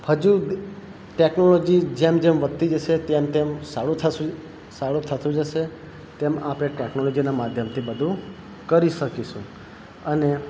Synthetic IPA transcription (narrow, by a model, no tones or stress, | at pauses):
həd͡ʒũ | ʈeknolɔd͡ʒid͡ʒemd͡ʒemʋət̪ːid͡ʒəʃet̪emt̪emsaɭũt̪ʰə | saɽũt̪ʰət̪ũd͡ʒəʃe | t̪emapɽeʈeknolɔd͡ʒinamad̪ʱjəmt̪ʰibəd̪ʱũ | kəɾiʃəkiʃũ | əne